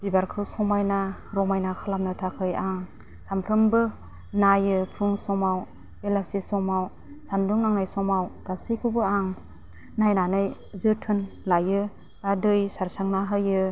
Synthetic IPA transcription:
b̥ibaɾkʰɯwsɔmajnaɾɔmajnakʰɯlamnɯtʰakʰɯjaŋ | sampʰɾɯmbɯ | najɯpʰuŋsɔmaw | elasisɔmaw | sanduŋnaŋnajsɔmawɡ̥asikʰɯbɯaŋ | najnanɯj | zɯtʰɯnlajɯ | ɡadɯjsaɾsaŋnaɦɯjɯ

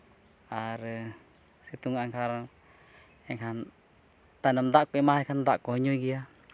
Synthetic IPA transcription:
aɾə | sit̪uŋaaŋkaɾaŋ | ɛŋɦan | t̪anamd̪akuimaɦikand̪aʔkɔɲoiɡia

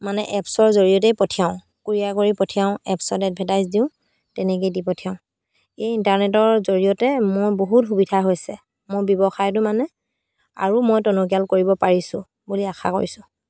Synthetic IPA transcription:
manɛʔɛpsɔɹzoɹiɔt̬ɛjpɔtʰijaʊ̃ | kuɹijakoɹipɔtʰijaʊ̃ɛ̰psɔdɛt̚bʱɛtajzdiʊ̃ | tɛnɛk̬ejdipɔtʰijaʊ̃ | ejintaɹnɛtɔɹzoɹijɔtɛmʊɹboɦutxubidʱaɦojsɛ | mʊɹbjɔbɔxajt̬ʊmanɛ | a̰ɹumɔjtɔnɔk̬jalkoɹibɔpaɹisʊ̰̃ | buliaxʰa̰ko̰ɹisʊ̃

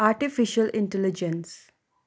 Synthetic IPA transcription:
aːɾʈifiʃəlɪ̃ɳʈɛlid͡ʒə̃ns

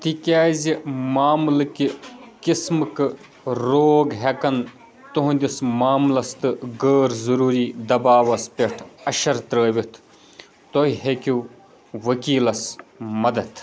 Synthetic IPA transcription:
t̪ikʲaːzimaːmlɨkikismɨkɨ | ɾoːɡɦekɐn | t̪oɦũnd̪ʲismaːmlɐst̪ɨɡəːɾzɐɾuːɾiːd̪ɐbaːʋɐspʲeʈʰɐʃɐɾt̪ɾəːʋʲit̪ʰ | t̪oɦiɦekʲu | ʋɐkiːlɐsmɐd̪ɐt̪ʰ

